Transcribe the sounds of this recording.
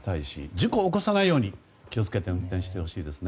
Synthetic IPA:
t̪aiɕḭd͡ʑiko̞ːkosanaijo̞ːɲ̟i | kʲio̞t͡sɨ̥ke̞t̪e̞ɯ̟̃nt̪ẽɕi̥t̪e̞ho̞ɕiːd̪e̞sɨne

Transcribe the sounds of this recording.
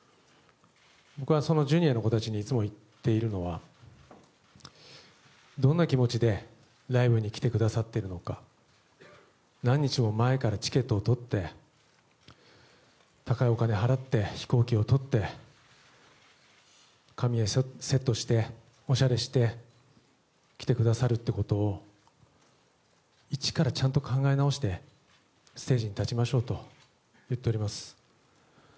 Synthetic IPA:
bo̞kɯ̟βaso̞no̞ʑɨɲ̟ʲieno̞ko̞t̪at͡ɕiɲ̟iːt͡sɨmo̞it̪ːe̞iɾɯ̟no̞βa̰ | d̪õ̞nːakʲimo̞t͡ɕid̪e̞ | ɾaibɯ̟ɲ̟ikʲi̥t̪e̞kɯ̟d̪asat̪ːe̞iɾɯ̟no̞ka | nãɲ̟ːit͡ɕimo̞mae̞kaɾat͡ɕi̥ke̞t̪ːo̞ːt̪o̞t̪ːe̞ | t̪akaio̞kane̞ɦaɾat̪ːe̞çi̥ko̞ːkʲio̞t̪o̞t̪ːe̞ | kamʲiese̞t̪ːo̞ɕi̥t̪e̞ | o̞ɕaɾe̞ɕi̥t̪e̞ | kʲi̥t̪e̞kɯ̟d̪asaɾɯ̟t̪ːe̞kot̪o̞ː | it͡ɕi̥kaɾat͡ɕãnt̪o̞kãŋɡaenao̞ɕi̥t̪e̞ | sɨ̥t̪e̞ːʑiɲ̟it̪at͡ɕimaɕo̞ːt̪o̞ | jɯ̟t̪ːe̞o̞ɾimasɨ̥

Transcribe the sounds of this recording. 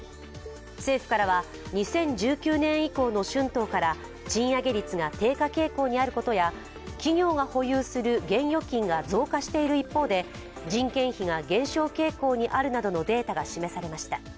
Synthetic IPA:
se̞ːɸɯ̟̥kaɾaβa | ɲ̟isẽ̞ɲ̟d͡ʑɨːkʲɨːnẽ̞ɰ̃iko̞ːno̞ɕɨ̃nt̪o̞ːkaɾa | d͡ʑĩɰ̃jaɡeɾʲit͡sɨɡat̪e̞ːkake̞ːko̞ːɲ̟iaɾɯ̟ko̞t̪o̞ja | kʲiɲʲo̞ːɡaho̞jɯːsɨɾɯ̟ɡẽ̞ɰ̃jo̞kʲĩŋɡad͡zo̞ːkaɕi̥t̪e̞iɾɯ̟ipːo̞ːd̪e̞ | d͡ʑĩŋkẽ̞ɰ̃çiɡaɡẽ̞ɰ̃ɕo̞ːke̞ːko̞ːɲ̟iʔaɾɯ̟nad̪o̞no̞d̪e̞ːt̪aɡaɕime̞saɾe̞maɕi̥t̪a

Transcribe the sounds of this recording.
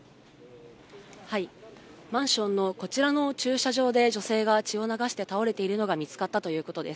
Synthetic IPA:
haimãɰ̃ɕõ̞nːo̞ko̞t͡ɕiɾano̞t͡ɕɨːɕaʑo̞ːd̪e̞d͡ʑo̞se̞ːɡat͡ɕio̞naɡaɕi̥t̪e̞t̪ao̞ɾe̞t̪e̞iɾɯ̟no̞ɡamʲit͡sɨ̥kat̪ːat̪o̞jɯ̟ːko̞t̪o̞d̪e̞sɨ̥

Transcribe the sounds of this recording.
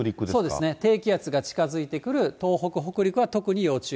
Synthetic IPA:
ɾʲikɯdsso̞ːd̪esɨnet̪e̞ːkʲijat͡sɨɡat͡ɕi̥kazɨit̪e̞kɯ̟ɾɯ̟tt̪o̞ːɦo̞kɯ̟ɦo̞kɯ̟ɾʲikɯ̟βat̪o̞kɯ̟ɲ̟ijo̞ːt͡ɕɨː

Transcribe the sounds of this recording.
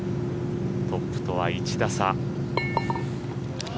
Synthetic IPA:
t̪o̞pːɯ̟̥t̪o̞βait͡ɕid̪asa

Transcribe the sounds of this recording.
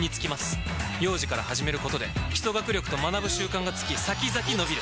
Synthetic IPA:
ɲ̟it͡sɨ̥kʲimasɨ̥jo̞ːʑikaɾahaʑime̞ɾɯ̟ko̞t̪o̞d̪e̞̰çʲi̥t̪o̞ɡakɯ̟ɾʲo̞kɯ̟̥t̪o̞manabɯ̟ɕɨːkãŋɡat͡sɨ̥kʲisakʲizakʲino̞bʲiɾɯ̟

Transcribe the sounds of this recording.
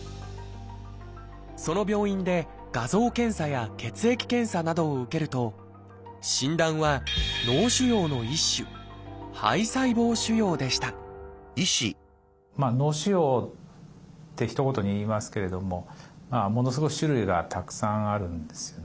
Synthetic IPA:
so̞no̞bʲjo̞ːĩnd̪e̞ | ɡ̥azo̞ːkẽ̞ɰ̃sajake̞t͡sɨe̞kʲi̥kẽ̞ɰ̃sanad̪o̞ːɯ̟ke̞ɾɯ̟t̪o̞ | ɕĩnd̪ãɰ̃βano̞ːɕɨjo̞ːno̞iɕːɨha̰isaibo̞ːɕɨjo̞ːd̪e̞ɕi̥t̪aiɕḭ | maːno̞ːɕɨjo̞ː | t̪ːe̞çi̥t̪o̞ko̞t̪o̞ɲ̟iiːmasɨ̥ke̞ɾe̞d̪o̞mo̞mamo̞no̞sɨɡo̞kɯi̥ɕɨɾɯ̟iɡat̪ʰakɯ̥sãɰ̃aɾɯ̟̃nd̪esɨjon

